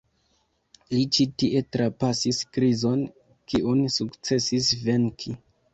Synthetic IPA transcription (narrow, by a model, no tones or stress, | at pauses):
lit͡ʃitiʔe̞tɾapasiskɾizo̞n | kiʔunsukt͡se̞sisve̞ŋkʰi